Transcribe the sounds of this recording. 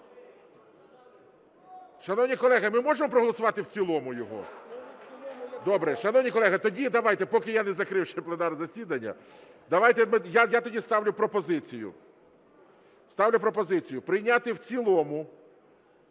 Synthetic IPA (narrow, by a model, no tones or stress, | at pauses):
ʃɐnɔwnʲikɔlˠɛɦɐmɪmɔʒemɔpɾɔɦɔlˠɔsʊʋɑt̪ɪwt͡sʲilˠɔmʊjɔɦɔ̰ | d̪ɔbɾɛʃɐnɔwnʲikɔlˠɛɦɐt̪ɔdʲid̪ɐʋɑjt̪ɛpɔkɪjanɛzɐkɾɪwʃɛplˠenɑrzɐsʲid̪ɐnʲːɐ̰ | d̪ɐʋajt̪ɛmɪjajat̪ɔdʲist̪ɑwlʲʊpɾɔpɔzɪt͡sʲijʊ̰ | st̪ɑwlʲʊpɾɔpɔzɪt͡sʲijʊpɾɪjnʲat̪ɪwt͡sʲilˠɔmʊ